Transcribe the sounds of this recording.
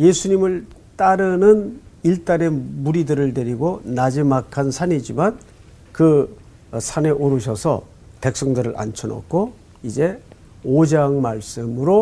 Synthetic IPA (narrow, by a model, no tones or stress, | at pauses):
je̞sʰuɲimɯɭ | t͈aɾɯnɯn | iɭt͈aɾe̞muɾidɯɾɯɭteɾiɡonad͡ʑimakʰansʰaɲid͡ʑiman | kɯ | sʰane̞ʔoɾuɕ̬ʰʌsʰʌ̰ | pe̞k̚s͈ʌŋdɯɾɯɭʔa̰nt͡ɕʰʌnʌ̰kʰo | id͡ʑe̞ | od͡ʑaŋmaɭs͈ɯmɯɾo